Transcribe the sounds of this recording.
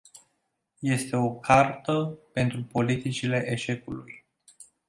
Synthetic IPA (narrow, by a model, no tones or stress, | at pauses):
je̞st̪e̞o̞kʰart̪əpe̞nt̪ɾupo̞lit̪it͡ʃile̞ʔeʃe̞kuluj